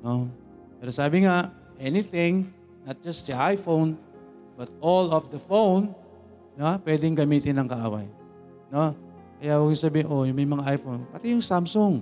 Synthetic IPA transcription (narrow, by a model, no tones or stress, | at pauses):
no | pɛɾosaːbɪŋa | ʔɛnɪθɪ̃ŋ | nɐt̪̚d͡ʒast̪ɐʔajfown | bɐt̪̚olɔfd̪ɐfownː | apwɛd̪ɪŋɡɐmiːt̪ɪnɐŋkɐʔa̰ːwɐ̰j | no | kɐjawaɡɪŋsabiːhɪnʔojʊŋmɐjmɐŋaʔajfonpɐt̪ɪjʊŋsamsʊŋ